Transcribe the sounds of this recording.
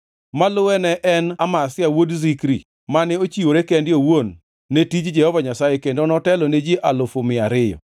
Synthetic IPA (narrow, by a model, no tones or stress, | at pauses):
malʊwɛnɛʔɛnamasɪawodzikɾḭ | manɛot͡ʃioɾekɛndɪowonː | etit͡ʃd͡ʒɛhɔvaɲasajekendonɔtɛlɔned͡ʒiʔalʊfomɪaɾɪjɔ̰